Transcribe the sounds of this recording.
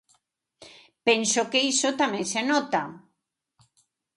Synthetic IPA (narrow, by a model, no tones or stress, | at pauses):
pɛnsokeisot̪amẽŋsenɔt̪a